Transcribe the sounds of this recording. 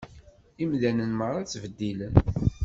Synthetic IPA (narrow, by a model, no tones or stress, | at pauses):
imðænənməɾˤɑt͡sːvəd̪ːilən